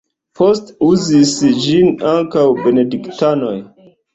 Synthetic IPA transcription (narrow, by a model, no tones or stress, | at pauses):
postuzisd͡ʒinaŋkawbe̞ne̞diktano̞j